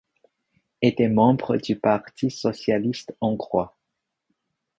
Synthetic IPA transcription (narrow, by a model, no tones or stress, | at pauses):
et̪ɛmɑ̃bʁəd̪ypaʁt̪ʰisɔsjalist̪ɑ̃ɡʁwa